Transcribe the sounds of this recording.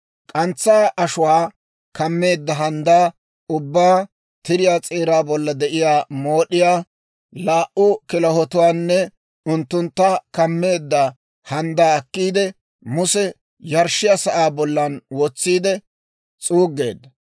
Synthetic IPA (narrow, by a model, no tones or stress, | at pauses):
kʼɐnt͡sːaːʔɐʃʊwaː | kɐmːe̞ːd̪ːɐɦɐnd̪aː | ʊbːaː | t̪ɪɾɪjaːt͡sʼeːɾaːbɔlːɐd̪ɛʔɪjaːmo̞ːɗɪjaː | laːʔʊkɪlɐhɔt̪ʊwaːnːɛ | ʊnt̪ːʊnt̪ːakɐmːe̞ːd̪ːɐ | hɐnd̪aːɐkːiːd̪ɛ | mʊsɛ | jɐɾʃɪjɐsɐʔaːbɔlːɐnwɔt͡sːiːd̪ɛ | t͡sʼuːɡːe̞ːd̪ːɐ